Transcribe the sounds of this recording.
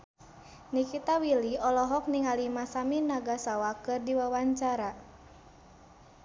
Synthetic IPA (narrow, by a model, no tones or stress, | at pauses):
nikit̪awiliɔlɔɦɔk̚niŋalimasaminaɡasawakɨrdiwawaɲt͡ʃaɾa